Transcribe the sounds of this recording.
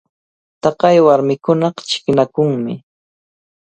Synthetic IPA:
t̪ɑqɑjwaɾmɪkʊnɑqt͡ʃɪ̥knakʊŋmɪ

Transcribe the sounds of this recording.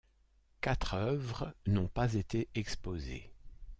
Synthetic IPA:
kat̪χœœvʁənɔ̃pazet̪eʔɛkspozḛ

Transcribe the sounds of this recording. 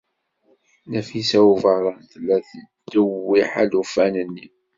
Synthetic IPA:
næfisæuvəɾˤɑnθlːæθəd̪ːəwːiħælufænənːi

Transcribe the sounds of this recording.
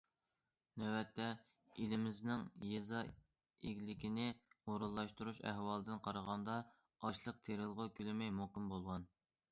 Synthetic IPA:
nɛwɛt̪ʰːɛ | ilɪmɪznɪŋjezɑ | ḛɡʲlɪkʲʰinɪoɾulˠːɑʃt̪uɾuʃæ̰hwɑːlˠɨd̪ɨnqʰɑɾəʁɑnd̪ɑ | ɑʃlˠəq̚t̪ʰeɾɪlˠʁʊkʲʰølɪmɛjmokɪmbolˠʁɑn

